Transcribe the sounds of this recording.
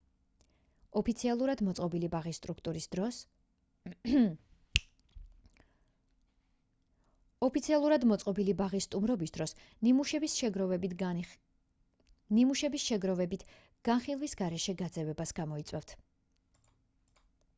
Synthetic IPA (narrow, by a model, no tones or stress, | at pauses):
ɔpʰit̪sʰialˠuɾad̪mɔt̪sʼqʼɔbilibaʁisːt̪ʼɾukʰt̪ʼuɾisd̪ɾɔ | ɔpit̪sʰialˠuɾad̪mɔt̪sʼqʼɔbilibaʁist̪ʼumɾɔbisd̪ɾɔs | nimuʃɛbisɾɔvɛb | nimuʃɛbisʃɛɡɾɔvɛbit̪ʰ | ɡ̥anχilˠvisɡaɾɛʃɛɡad̪zɛvɛbasɡ̥amɔit̪sʼwɛft̪ʰ